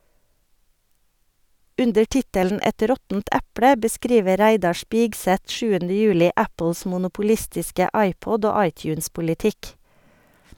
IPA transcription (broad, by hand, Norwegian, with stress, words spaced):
ˈʉndəɾ ˈtɪtəln̩ ˈɛt ˈɾɔtn̩t ˈæplə bəˈskɾiːʋə ˈɾæɪdɑ ˈʃpɪɡsɛt ˈʃʉːəndə ˈjʉːlɪ ˈæpl̩s mʊnʊpʊˈlɪstɪskə ˈɑɪˌpɔd ˈoː ˈɑɪˌtjʉːnspʊlɪˌtɪk